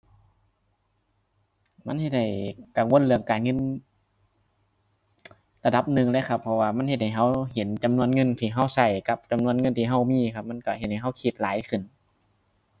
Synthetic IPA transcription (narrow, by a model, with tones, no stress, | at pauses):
ma˧˥˨nhe˧t̪̚ha˧˩jka˨˩ŋwo˧˥˨nlɯ˧˩əŋkaː˨nŋɤ˧˥˨n | la˧da˧˦p̚nɯ˨˩ŋlɛː˧˥˨kʰa˧˩pʰːɔ˧waː˧˩ma˧˥˨nhe˧t̪̚ha˨˩jɦa˧˩whe˨˦nt͡ɕa˨mnu˧˨ənŋɤ˧˥˨nt̪ʰiː˧˩ɦa˧˩˨wsa˧˩jka˧p̚t͡ɕa˨mnu˧˨ənŋɤ˧˥˨nt̪ʰiː˧˩ɦa˧˩wmiː˧˥˨kʰa˧p̚ma˧˥˨nkɔ˧˩he˧t̪̚ha˨˩jɦa˧˥˩wkʰi˧˩t̪̚laː˨˦jkʰɯ˧˩˨n